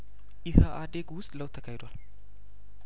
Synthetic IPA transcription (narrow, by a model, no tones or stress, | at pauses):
jɪhəʔad̪eɡwʊst̪ʼləwt̪ʰːəkʰahed̪owal